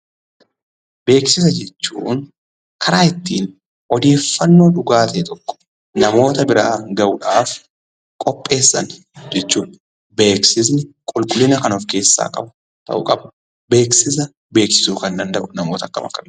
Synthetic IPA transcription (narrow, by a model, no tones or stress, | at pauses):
be̞ːksɪs̬ɐd͡ʒɛt͡ʃːuːn | kʰɐɾaːɪt̪ːiːn | ɔd̪e̞ːfːɐnːo̞ːᶑʊɡaːt̪eːt̪ɔkːɔ̥ | nɐmo̞ːt̪ɐbɪɾaːŋɡɐʔʊᶑaːf | kʼɔpʼːe̞ːsːɐ̰n | d͡ʒɛt͡ʃːuːᶑ | be̞ːksɪs̬nɪkʼɔlkʼʊlːɪnɐkɐnɔfke̞ːsːa̰ːkʼɐbɐ | t̪ɐ̰ʔʊ̰kʼɐbɐ̥ | be̞ːksɪs̬ɐ | be̞ːksɪ̥suːkɐnd̪ɐnd̪ɐʔʊnɐmo̞ːt̪ɐkːɐ̰mɐ̰kːɐbɪ